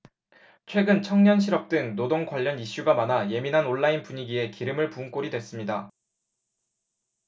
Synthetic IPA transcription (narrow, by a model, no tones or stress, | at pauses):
t͡ɕʰwe̞ɡɯnt͡ɕʰʌŋɲʌnɕ̬ʰiɾʌp̚t͈ɯŋnodoŋkwaʎːʌniɕ͈uɡamanaje̞minɦanoɭːainpuɲiɡie̞kiɾɯmɯɭpuŋk͈oɾidwe̞s͈ɯmɲida